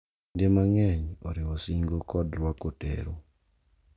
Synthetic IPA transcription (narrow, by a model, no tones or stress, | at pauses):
ndemaŋɛɲɔ̰ɾɪwosiŋɡokɔdɾwakotḛɾo